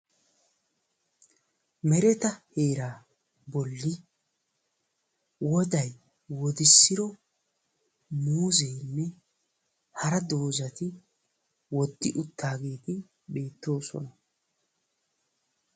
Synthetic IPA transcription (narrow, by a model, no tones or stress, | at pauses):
mɛɾɛt̪ɐhe̞ːɾaː | bɔlːɪ | wɔd̪ɐj | wɔd̪ɪsːɪɾɔ | muːzejnːɛ | hɐɾɐd̪oːzɐt̪ɪ | wɔd̪ːɪʔʊt̪ːaːɡeːt̪ɪ | be̞ːt̪ːo̞ːsɔ̰nɐ